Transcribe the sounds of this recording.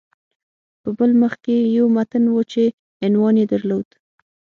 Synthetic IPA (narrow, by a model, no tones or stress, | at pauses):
pəbəlməxkejawmat̪ənwət͡ʃe | ɪnwɑnjed̪əɾlod̪